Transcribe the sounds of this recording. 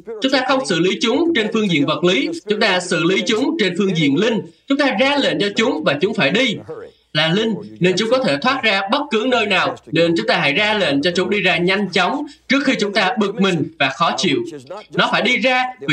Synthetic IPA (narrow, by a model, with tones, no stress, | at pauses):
t͡ɕʊ˨˦ŋ͡mt̪aː˧xə˧wŋ͡msɨ̰˧˨li˨˦t͡ɕʊ˨˦ŋ͡mt͡ɕe˧nfɨ˧əŋzḭ˧˨ənvə˨˩t̚li˨˦t͡ɕʊ˨˦ŋ͡mt̪aː˧sɨ̰˧˨li˨˦t͡ɕʊ˨˦ŋ͡mt͡ɕe˧nfɨ˧əŋzḭ˧˨ənlï˧ŋ̟t͡ɕʊ˨˦ŋ͡mt̪aː˧zaː˧lḛ˧˨nt͡ɕɔ˧t͡ɕʊ˨˦ŋ͡mvaː˨˩t͡ɕʊ˨˦ŋ͡mfaː˧˩jɗi˧ | laː˨˩lï˧ŋ̟ne˧nt͡ɕʊ˨˦ŋ͡mkɔ˨˦t̪ʰe˧˩t̪ʰwaː˦˥t̚zaː˧ɓə˦˥t̚kɨ˨˦nəː˧jnaː˨˩wne˧nt͡ɕʊ˨˦ŋ͡mt̪aː˧ha̰˧˩jzaː˧lḛ˧˨nt͡ɕɔ˧t͡ɕʊ˨˦ŋ͡mɗi˧zaː˧ɲa˧jŋ̟t͡ɕɔ˨˦wŋ͡mt͡ɕɨ˦˥ək̚xi˧t͡ɕʊ˨˦ŋ͡mt̪aː˧ɓɨ˨˩k̚mï˨˩ŋ̟vaː˨˩xɔ˨˦t͡ɕḭ˧˨əwnɔ˨˦faː˧˩jɗi˧zaː˧vi˨